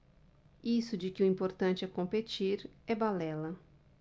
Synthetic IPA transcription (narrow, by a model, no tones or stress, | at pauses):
isʊd͡ʒɪkɪʊĩpoɾt̪ɐ̃nt͡ʃɪɛkõmpet͡ʃiɾɛbalɛlɐ